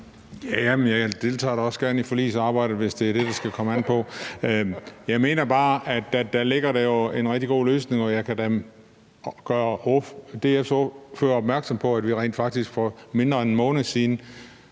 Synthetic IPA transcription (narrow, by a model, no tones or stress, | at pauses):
jæjæmenjɑ̈ɪd̥e̝lt͡sʰɑ̰̈ːɾɑɒ̽sɡ̥æɐnifɒlḭːsɑ̈ːb̥ɑ̈ɪ̰d̥̩ˠʋe̝sd̥e̝æɐd̥e̝d̥ɑ̈sɡ̥ækʰɒ̽məæn̰pʰɒ̽ | jɑ̈ɪme̝̰ːnɐb̥ɑ̈ːʔæd̥æd̥æle̝ɡ̥ɐɾejo̝e̝nʁɛɡ̥̚d̥iɡ̥o̝̰ːløːsne̝ŋɒ̽jɑ̈ɪkʰædem | ɡ̥ɶːɐʔod̥e̝efsofø̰ːɐɒb̥mæɐɡ̥sɒ̽mpʰɒ̽æd̥ʋiʁɛ̰ːnd̥fɑ̈ɡ̥̚d̥isɡ̥fɒme̝nd̥ʁɐenmɔ̽ːnəsiːnə